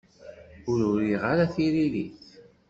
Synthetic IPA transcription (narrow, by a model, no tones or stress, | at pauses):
ʊɾʊɾiʁaɾaθiɾiliθ